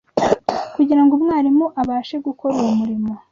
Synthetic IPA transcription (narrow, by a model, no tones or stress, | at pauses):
kuɟiɾaŋɡumŋaːɾimuʔaβaːʃe̞ɡuko̞ɾeumuɾimo̞